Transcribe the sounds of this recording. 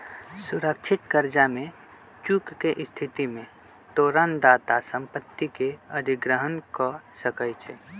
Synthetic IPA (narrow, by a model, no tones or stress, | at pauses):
sʊɾəkt͡ʃʰɪt̪kəɾd͡ʒamẽ | t͡ʃukkeʔɪst̪ʰɪt̪imẽ | t̪oːɾand̪aːt̪asə̃mpət̪ːikeəd̪ʱɪɡɾəɦənkɔsəkəjt͡ʃʰɛ